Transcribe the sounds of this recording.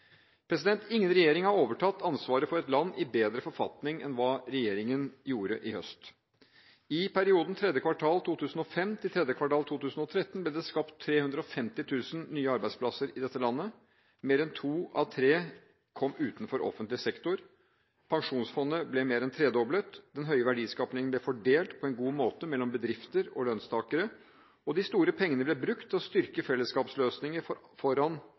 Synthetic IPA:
pʰɾɛsɪd̪ɛnt̪ɪŋːənɾɛjeːɾɪŋhɑɾoːʋəʈʰɑt̪ːɑnsʋɑːɾəfɔɾɛt̪lɑnːʔɪbeːd̪ɾəfɔɾfɑ̰t̪nɪŋɛ̰nʋɑːɾɛjeːɾɪŋənjuːɾəʔɪhœst̪ | ɪpʰæɾɪuːd̪n̩t̪ʰɾɛd̪jəkʰʋɑʈʰɑːlt̪ʰuːt̪ʰʉːsn̩ɔfɛmt̪ʰɪt̪ʰɾɛd̪jəkʰʋɑʈɑːlt̪ʰuːt̪ʉːsn̩ɔt̪ʰɾɛt̪ːənblɛːd̪ɛskɑpt̪ʰːɾeːhʉnd̪ɾəɔfɛmt̪ɪt̪ʰʉːsənnːyːəɑɾbæɪspʰlɑsəɾɪd̪ɛt̪ːəlɑnːə | meːɾɛnt̪ʰuːɑ̰ʋt̪ʰɾeː | kʰɔmːʉːt̪n̩fɔɾʔɔ̰fənt̪lɪsɛkt̪ʊɾ | pʰɑŋʂuːnsfɔnːəblɛmeːɾɛnt̪ʰɾeːd̪ɔblət̪d̪ɛnɦœʏəʋæɖiːskɑːpnɪŋənblɛfɔɖeːlt̪pʰɔɛnɡuːmoːt̪əmɛlːɔmbəd̪ɾɪft̪əɾɔlœnst̪ʰɑːkəɾə | ɔd̪ɪst̪uːɾəpʰɛŋːənəblɛbɾʉkt̪ʰːɪlɔst̪ʏɾkəfɛlːəskɑːpsløːsnɪŋəɾ | fɔɾɑn

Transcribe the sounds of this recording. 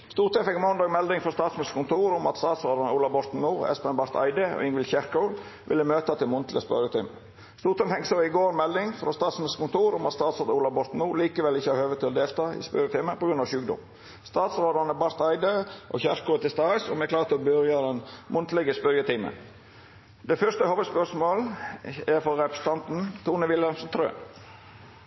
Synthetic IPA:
st̪uːɾt̪ɔmfɛkmɔnd̪ɑːɡmɛld̪ɪŋfɾɔst̪ɑːt̪smskʊnt̪ʰuːɾʊmɑ̰t̪st̪ɑːt̪sɾoːd̪ɑnəuːlɑbɔɾt̪n̩muːɾɛ̰spɛnbɑɾt̪ʰɑ̰ɪd̪əɔ̰ɪŋʋɪlçæɾkɑʊl | ʋɪlːəmøːt̪ɑt̪ʰɪlmʊnt̪lə̰spœ̰ɾjət̪ʰiːmə | st̪uːɾt̪ʰɔmfɛŋsəɪɡoːɾmɛld̪ɪŋfɾost̪ɑːt̪smɪskʊnt̪ʰuːɾʊmɑt̪st̪ɑːt̪soːd̪uːlɑbɔɾt̪n̩muːɾliːkəʋɛlːɪçːəhɑɾhøːʋət̪ʰɪlɔd̪eːlt̪ɑːɪ̰spœɾjət̪ʰɪːmənpɔɡɾʉnɑːʋɕʉːk̚d̪ʊ̰m | st̪ɑːt̪sɾoːd̪əɑnəbɑɾt̪æɪd̪əʔɔ̰çæʃkʰʊːɾət̪ʰɪlst̪ɑːsɔmɛklɑːɾt̪ɔbœɾjɑd̪ɛnmʔʊnt̪lɛɡəspœɾjət̪ʰiːmə̰n | d̪ɛfœʂt̪əhoːʋəspœʂmoːlɛɾfɔɾɾɛpɾəsə̥t̪ɑnt̪n̩t̪ʰuːnəʋɪlɑnsn̩t̪ʰɾø̰ː

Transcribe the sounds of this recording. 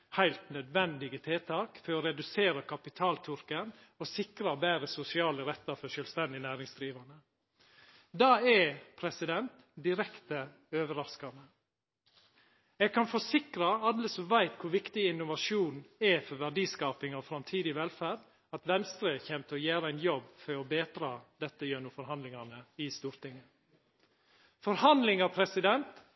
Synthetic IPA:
hæɪlt̪nœd̪ʋɛnd̪ɪɡət̪ʰeːt̪ʰɑːkfɔɾɔɾɛd̪ʉseːɾəkʰɑpɪt̪ʰɑːlt̪ʰʏɾkən | ɔsɪkɾɑbæːɾəsʊsɪɑːləɾɛt̪ːɑfɔʂœlst̪ɛnd̪ɪnæːɾɪŋsd̪ɾiːʋɑnə | d̪ɑːɛpʰɾɛsɪd̪ɛnt̪ | d̪ɪɾɛkt̪ə | øːʋəɾɑskɑnə | ɛːɡ̚kʰɑnfɔsɪkɾɑɑlːəsɔmʋæɪt̪kʰʊɾʋɪkt̪ɪɪnʊʋɑʂuːnɛfɔɾʋæɖiːskɑːpɪŋɔfɾɑmt̪ʰiːd̪ɪʋɛlfæːɖ | ɑt̪ʋɛnst̪ɾəçɛmt̪ʰəɔjæːɾəæɪnjɔbːfɔɾɔbeːt̪ɾɑːd̪ɛt̪ːəjøːnʊfɔɾhɑnd̪lɪŋɑnəɪst̪uːɾt̪ɪŋːə | fɔɾhɑnd̪lɪŋɑpʰɾɛsɪd̪ɛnt̪

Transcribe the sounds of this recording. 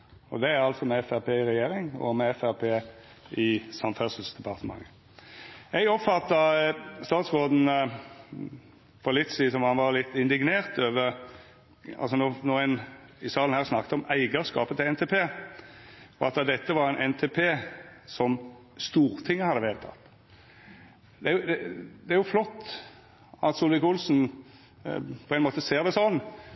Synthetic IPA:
ɔ̰d̪ɛæɾɑlt̪sɔmɛɛfæɾpʰeːɪɾɛjeːɾɪŋɔ̰mɛɛfæɾpʰeː | ɪsɑmfɛsəlsd̪̥ɛpʰɑʁt̪əmɑ̰ŋːə | ɛɡɔpfɑt̪ːɑst̪ɑːt̪sʁoːd̪n̩ | fɔʁlɪt̪ːsiːsɔmhɑnʋɑɾlɪt̪ːɪnd̪ɪɡneːʁt̪øːʋəɾ | ɑ̰lsɔnoːnoːɪn | ɪsɑːln̩hæːʁsnɑkːt̪ɔmæɪɡəskɑːpət̪ʰɪlɛnt̪ʰepʰeː | ɔɑt̪d̪ɛt̪ːəʋɑɾæɪnʔɛnt̪ʰepʰeːsɔm | st̪uːɾt̪ʰɪŋːəhɑd̪əʋheːlət̪ʰɑ̰t̪ː | d̪ɛæjʊd̪ɛd̪ɛæɾjʊflɔt̪ː | ɑt̪sulʋɪkʊlsn̩ | pʰɔɛnmoːt̪əseːɾd̪ɛsɔnː

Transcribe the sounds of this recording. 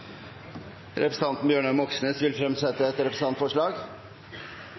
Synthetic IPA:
ɾʔɛpɾəsn̩ɑnt̪n̩bjøːɳəmɔksneːsʋɪlfɾɛmsɛt̪ːəɛt̪ɾɛpɾəsn̩ɑnt̪fɔʂɭɑːɡ

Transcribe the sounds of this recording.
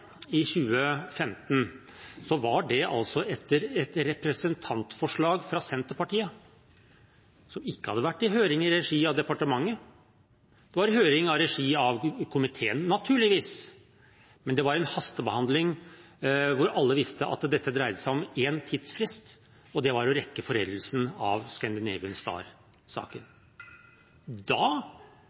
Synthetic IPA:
ɪçʉːəfɛmt̪n | sɔʋɑɖɛʔɑ̰lsɔɛt̪əɾɛt̪ɾɛpɾəsənt̪ʰɑnt̪fɔʂɭɑːɡfɾɑsɛnt̪əɾpɑʈiːə | sɔmɪkːəhɑd̪ːəʋæʈːɪɦøːɾɪŋɪɾɛʂiːɑʋd̪ɛpɑʈəmɑŋːə | d̪̥ɛʋɑɾɪhøːɾɪŋɑʋɾɛʂiːɑʋkʰʊmɪt̪ʰeːənːɑt̪ʰʉːɭɪʋiːs | mɛnd̪ɛʋɑɾɛnhɑst̪əbəhɑnd̪lɪŋ | ʋʊɾɑlːəʋɪst̪əʔɑ̰t̪d̪ɛt̪ːəd̪ɾæɪd̪əsæɪɔmeːnt̪ʰiːd̪sfɾɪst̪ | ɔd̪ɛʋɑɾjʊɾɛkːəfɔɾɛ̰d̪əl̩sn̩ɑʋskɑnd̪ɪneːʋənst̪ɑ̰ːɾ | sɑ̰ːkən | d̪ɑː

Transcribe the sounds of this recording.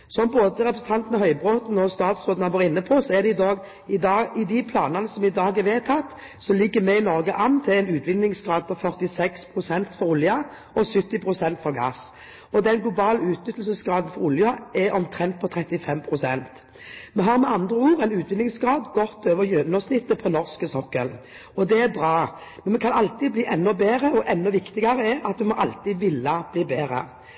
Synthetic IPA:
sɔmboːd̪əʁɛpɾəsn̩t̪ʰɑnt̪nɑhœʏbʁoːt̪n̩ɔst̪ɑːt̪sʁoːd̪n̩ɑʋoːɾɪnːəpʰɔsɔæʁd̪ɛɪd̪ɑːɡ | ɪd̪ɑɪd̪ɪpʰlɑːnɑnəsɔmɪd̪ɑːɡɛʋeːt̪ʰɑt̪ː | sɔlɪɡːəmɛɪnɔʁɡəʔɑnːt̪ʰɪlɛɪnʉːt̪ʰʋɪnːɪŋsɡɾɑːd̪̚pʰɔfœʁt̪ɪsɛkspʰʁʊsɛnt̪fɔɾʊljɑ | ɔsʏt̪ːɪpʰʁʊsɛnt̪fɔʁɡɑ̰ːs | ɔd̪ɛnɡlʊbɑːləʉːt̪nʏt̪ːl̩səsɡɾɑːd̪ən̩fɔɾʊljɑɛɾɔmt̪ʰʁɛnt̪̚pʰɔt̪ʰɾɛt̪ːɪfɛmpʰɾʊsɛnt̪ | mɛɦɑːɾmɛɑnd̪ʁəuːʁɛɪnʉːt̪ʰʋɪnːɪŋsɡɾɑːd̪ɡɔt̪ːøːʋəjøːd̪nɔsnɪt̪ːəpʰɔnɔʁskəsɔkːə̰l | ɔd̪ɛæɾbɾɑː | mɛnmɛkʰɑnɑlt̪ibliːʔɛnːɔbeːɾəɔʔɛnːɔʋɪkt̪ɪɡɑɾəɛʔɑt̪ʋɪmɔʔɑlt̪iːd̪ʋɪlːɑb̥liːbeːɾə̰

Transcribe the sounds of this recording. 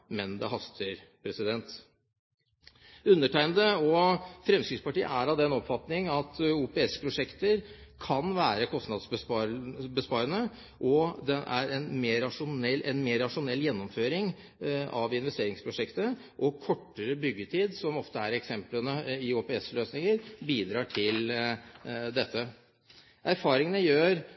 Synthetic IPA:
mɛnd̪ɛ̰ɦɑst̪ʰəɾpʰɾɛsɪd̪ɛnt̪ | ʉnːəʈʰæɪnd̪əɔfɾɛmskɾɪŋspɑʈiːə̰æɾɑʋd̪ɛnɔpfɑt̪nɪŋɑt̪uːpɛɛspʰɾʊʂɛkt̪əɾkʰɑnʋæːɾəkʰɔst̪nɑd̪sbəɑbəspɑːɾənə | ʔɔd̪ɛʔæ̰ɾɛnmeːɾɑʂʊnɛlʔɛnmeːɾɑʂʊnɛlːjɛnːɔmføːɾɪŋ | ɑʋɪn̪ʋɛst̪eːɾɪŋspʰɾʊʂɛkt̪ə | ʔɔkʰɔʈːəɾəbʏɡːət̪ʰiːd̪sɔmɔft̪əæɾɛksɛmplənəɪoːpɛɛsløːsnɪŋəɾbiːd̪ɾɑːʈʰɪl | d̪ɛt̪ʰːə | ʔæɾfɑːɾɪŋənəjøːɾ

